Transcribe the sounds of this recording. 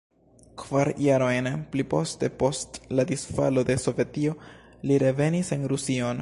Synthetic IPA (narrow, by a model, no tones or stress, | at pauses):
kv̥aɾjaɾo̞jnplipo̞ste̞po̞stladisfa̰lo̞de̞so̞vetio̞ | liɾe̞ve̞nise̞nɾusio̞n